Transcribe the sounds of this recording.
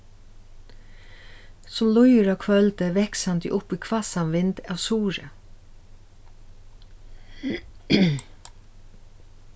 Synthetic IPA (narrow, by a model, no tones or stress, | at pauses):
sɔmlɔjɾakʰʋœlt̪əʋɛksand̪ə̰ʔʊpiːkʰvasanʋɪnd̪ɑʋsuːɹə